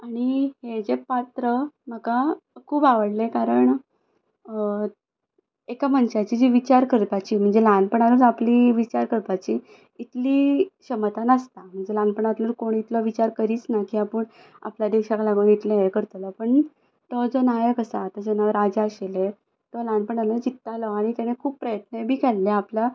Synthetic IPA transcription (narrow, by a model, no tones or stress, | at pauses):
aɽ̃ihed͡zepat̪ɾəməɡakʰuːbaʋəɽlekaɾəɳ | ekam̤ənɕat͡ɕiːd͡ʑiʋit͡ɕaɾkəɾt̪at͡ɕiːm̤əɳd͡zelanpəɳaɾud͡zapliːʋit͡ɕaɾkəɾt̪at͡ɕiː | t̪liːɕəmət̪anəst̪am̤əɳd͡zelanpəɳat̪ləɾkoɳit̪lɔʋit͡ɕaɾkəɾiːt͡snakiːapəɳ | a̰plad̪eɕaklaɡuunit̪leaekəɾt̪əlɔpəɳ | t̪ɔd͡zɔnajəkəsaːt̪ad͡zenaʋəɾad͡zəɕele | t̪ɔlanpəɳaləd͡zit̪ːalɔaɽ̃it̪janekʰuːbpːɾəjət̪̚nebʱiːkɛlːeapla